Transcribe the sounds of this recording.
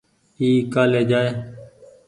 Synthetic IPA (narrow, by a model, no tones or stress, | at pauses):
iːkaːleːd͡ʒaːeː